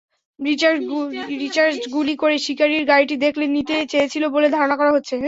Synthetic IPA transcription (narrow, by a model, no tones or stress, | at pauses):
ɾit͡ɕaɾɾit͡ɕaɾsɡulikoɾeʃikaɾiɾɡaɾiʈid̪ekʰlenit̪et͡ɕejet͡ɕʰiloboled̪ʱɔɾonakɔɾaɦotːɕʰe